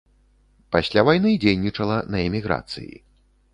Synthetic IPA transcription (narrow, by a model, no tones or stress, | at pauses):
pasʲlʲavajnɨd͡zʲejnʲit͡ʂɐlˠɐnɐɛmʲiɣɾa̰t̪sɨ̰jḭ